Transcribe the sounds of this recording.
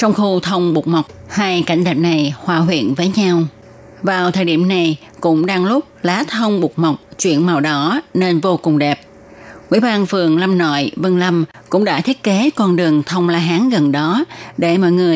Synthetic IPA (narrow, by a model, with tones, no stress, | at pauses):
t͡ɕɔ˧wŋ͡mxu˧t̪ʰə˧wŋ͡mɓu˨˩k̚ma˨˩wk͡p̚haː˧jka̰˧˩jŋ̟ɗɛ˨˩p̚na˨˩jhwaː˧˩ɦwḭ˧˨ənvəː˨˦jɲa˧w | vaː˨˩wt̪ʰəː˨˩jɗḭ˧˩əmna˨˩j | kʊ̰˧˥ŋ͡mɗaː˧ŋlʊ˦˥k͡p̚laː˨˦t̪ʰə˧wŋ͡mɓu˨˩k̚mɔ˨˩wk͡p̚t͡ɕwḭ˧˨ənma˨˩wɗɔ˨˦ne˧nvo˧kʊ˨˩ŋ͡mɗɛ˨˩p̚ | ŋwḭ˧˥˨ɓaː˧nfɨ˨˩əŋla˧mnɔ̰˧˨jvə˧nla˧m | kʊ̰˧˥ŋ͡mɗa̰ː˧˥t̪ʰi˦˥ət̚ke˨˦kɔ˧nɗɨ˨˩əŋt̪ʰə˧wŋ͡mlaː˧ɦaː˨˦ŋɣə˨˩nɗɔ˨˦ɗe˧˩mɔ̰˧˨jŋɨ˨˩əj